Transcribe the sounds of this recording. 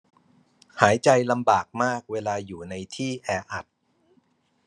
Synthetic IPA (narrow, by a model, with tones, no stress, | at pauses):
haː˩˦jt͡ɕa˧jla˧mbaː˨˩k̚maː˥˩k̚weː˧laː˧juː˨˩na˧jt̪ʰiː˥˩ʔɛː˧ʔa˨˩t̪̚